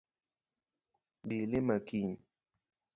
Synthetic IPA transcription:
bilemakiɲ

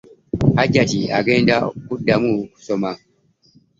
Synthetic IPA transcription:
had͡ʒatia̰ɡɛndakudamusɔma

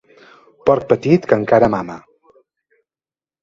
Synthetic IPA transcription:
pɔɾk̚pət̪it̪kəŋkaɾəmamə

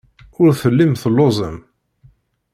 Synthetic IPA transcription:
ʊɾθəlːimθəlːozˤə̰m

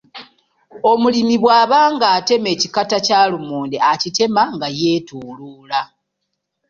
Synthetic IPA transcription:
o̞mulimiβwaːβaːŋɡaːte̞me̞ːcikatacaːlumoːndeacite̞maŋɡaje̞ːtuːluːla

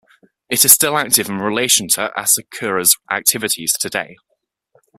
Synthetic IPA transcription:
ɪtɪz̥stɪlak̚tɪvə̃nɹɪleɪʃə̃ntʰəʔə̰səkʰɜːɹəzʔa̰k̚tʰɪvɪtʰɪz̥tʰədḛɪ

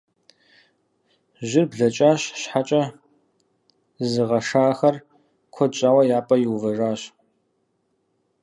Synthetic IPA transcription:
ʑɪrbɮɐt͡ʃʼaːɕɕħat͡ʃʼɐ | zɨʁɐʂaːxɐr | kʷʰɔt͡ʃʼawɐjaːpʼɐjɪwvɐʐaːɕ

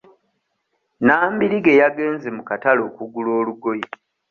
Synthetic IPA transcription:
naːmbiɾiɡe̞jaɡe̞ːnzemukatalo̞ːkuɡulo̞ːluɡo̞je

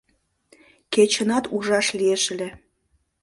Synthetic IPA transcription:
ket͡ɕə̆nɑt̪uʒɑʃlieʃə̆lʲe

